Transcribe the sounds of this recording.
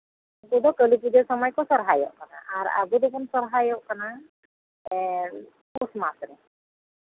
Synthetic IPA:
kud̪ɔkəlikid̪ɛsɔmɔjkɔsɔɾɦajɔ̰ʔkana̰ʔaɾa̰bud̪ɔkɔnsɔɾɦajɔʔkana | kusmasɾɛ

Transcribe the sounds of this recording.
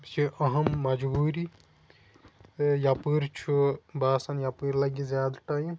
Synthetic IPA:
siʔɐɦɐmːɐd͡ʒbuːɾi | japɨɾt͡ʃʰubaːsɐnjapɨɾlɐɡizjaːd̪ʈɐjĩ

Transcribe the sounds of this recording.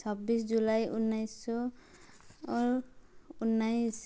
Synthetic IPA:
sʰɔbːisd͡ʒulajunːajsɔ | unːajs

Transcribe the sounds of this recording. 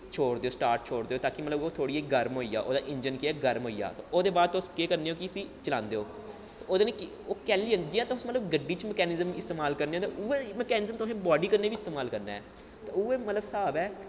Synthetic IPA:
t͡ʃʰoːɽd̪eːoːsʈaːɾʈt͡ʃʰoːɽd̪eːoːt̪aːkɪmət̪ləboːt̪ʰoːɽiːeːɡəɾmɦoːiːja̰ːʔo̰ːd̪aːʔɪɲd͡ʒənkɪɛːɡəɾmɦoːija̰ːt̪ooːd̪eːbaːd̪̚t̪ːskeːkəɾneːoːkɪəsiːt͡ʃəlãːnd̪eːoː | t̪ːoːd̪eːneːk | oːkɛːliə̃nːd͡ʒɪjãːt̪aʊsmət̪ləbɡəɖiːt͡ʃmɛkɛːnɪzəmɪst̪eːmaːlkəɾneːoːt̪ːueːmɛkɛːnɪzəmt̪ʊsẽːbɔːɖiːkəɾneːbiːɪst̪eːmaːlkəɾna̰ːɛ̰ː | t̪aːuːeːmət̪ləbsaːbɛː

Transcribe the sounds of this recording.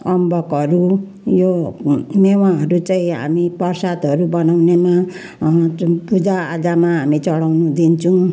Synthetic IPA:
ʌmbʌkʌɾu | jonewaɦʌɾut͡saĩɦa̰mipʌrsad̪ʌɾubʌnawnema | pud͡zaːd͡zamaɦamit͡sʌɽawnud̪int͡sʰʌũ

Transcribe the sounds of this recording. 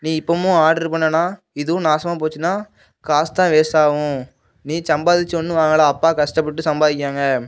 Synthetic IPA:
nĩːɪpːɐːmũaːɾɽɐɾpɐɳːɐnaː | ɪðɯ̃naːsɐmaːp̬oːt͡ʃːɯnːaː | kaːst̪ãːʋeːsaːʋʊ̃ | nĩːsɐmbaːðɪt͡ʃːonːɯaːŋɡɐɭaːɐpːaːkɐʂʈɐpːɐʈːɯsɐmbaːðɪk̬ʲːɾaːŋɡɐ

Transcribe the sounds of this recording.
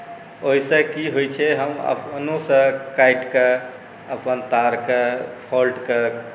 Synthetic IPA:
oɦisẽkiɦojt͡ʃʰɛɦəmə̰pnosə̃kajʈke | əpənt̪aɾkepʰɔlʈke

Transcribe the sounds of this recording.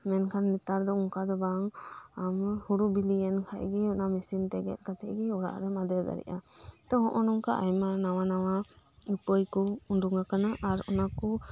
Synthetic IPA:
mɛnkʰanːit̪aɾd̪ɔuŋkad̪ɔbaŋamhuɾubiliɛnkʰaʔɡɛɔnamisint̪ɛɡɛ̰t̪̚ˀkat̪ɛ̰ʔɡɛɔɽa̰ʔɾɛmad̪ɛd̪a̰ɾḭʔa | t̪ɔɦɔʔɔnɔŋkaʔajmanawanawa | upəjkɔunduŋakanaʔaɾɔnakɔ

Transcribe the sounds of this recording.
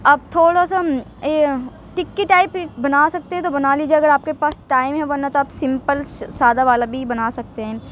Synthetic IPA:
ɐb̚t̪ʰoːɽasa | ʈɪkːiʈaːɪpbɐnaːsɐk̚t̪ẽɦɛ̃t̪̬obɐnaːliːd͡ʒeɐɡəɾaːp̚kepaːsʈaːɪmɦɛ̃ʋɐnːat̪oaːpsɪ̃mpəlssaːd̪aʋaːlabʱibɐnaːsɐk̚t̪eɦɛ̃ː

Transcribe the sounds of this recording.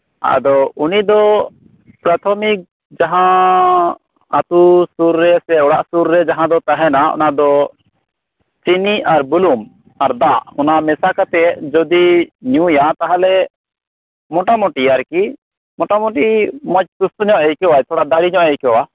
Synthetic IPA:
a̰ʔd̪ɔunid̪ɔ | pɾat̪ʰɔmik̚ | d͡ʒaɦã | at̪usuɾːɛsɛɔɽaʔsuɾːɛd͡ʒaɦãd̪ɔt̪aɦɛnaɔ̰nad̪ɔ | t͡ʃiniaɾbulum | aɾd̪aʔhɔnamɛsakat̪ɛd͡ʒɔd̪iɲũjat̪aɦalɛ | mɔʈamɔʈiaɾki | mɔʈamɔ̃ʈimɔc̚sust̪ɔɲɔʔɛjkɛwajt̪ʰɔɽad̪aɽiɲɔ̃ʔɛjkɛwa

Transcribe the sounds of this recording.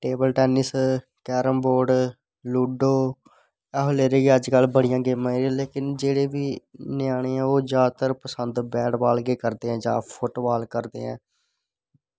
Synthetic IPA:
ʈeːbəlʈɛːnɪs | kɛːɾəmboːɾɖ | luːɖoː | ɛːɦoleːɾeːɡiːəd͡ʒkəlbəɽɪjãːɡeːmãːiɾ̃leːkɪnd͡ʒeːɽeːʋiːnɪjaːɽ̃eːɛ̃ːoːd͡ʒaːt̪əɾpəsənd̪bɛːɽʋaːlɡeːkəɾd̪eːɛ̃ːd͡ʒã̰ːpʰʊʈːʋaːlkəɾd̪eːɛ̰̃ː

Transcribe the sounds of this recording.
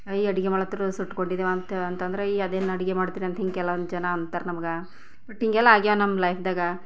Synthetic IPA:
iːɐɽiɡemaːɭɐt̪ːɾusuʈːkoɳɖid̪eʋant̪ɐnt̪ɐnd̪ɐɾeiɐd̪eːnɐɽiɡemaːɽt̪iːɾiɐnt̪ɐɦiŋɡeɛlːɐʋond̪d͡ʒɐnaɐnt̪aːɾnɐmɐɡɐ | bɐʈɦiŋɡɛlːɐaːɡijonɐmlɐjpʰd̪aːɡɐ

